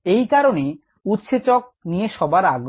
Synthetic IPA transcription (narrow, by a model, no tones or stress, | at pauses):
ejkaɾone | ut̪ʃet͡ɕok̚nijeʃɔbaɾaɡ